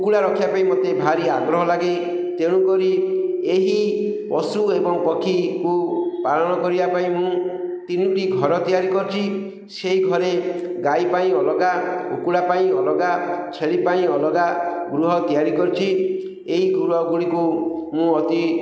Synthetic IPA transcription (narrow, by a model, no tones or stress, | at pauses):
ukuɽaɾɔkʰibapaĩmot̪ebʱaɾiaɡɾɔɦɔlaɡe | t̪eɽ̃ũkɔɾieɦi | pɔsuebɔŋpɔkʰikupaɾɔñɔkɔɾibapaĩmũt̪iniuʈiɡʱɔɾɔt̪ijaɾikɔɾut͡ʃʰi | seɦiɡʱɔɾeɡajpaĩɔlɔɡaṵkuɽapaĩɔlɔɡat͡ʃʰeɭipaĩɔlɔɡaɡɾuɦɔt̪ijaɾikɔɾut͡ʃʰi | eɦiɡuɾɔɡuɽikumũɔt̪i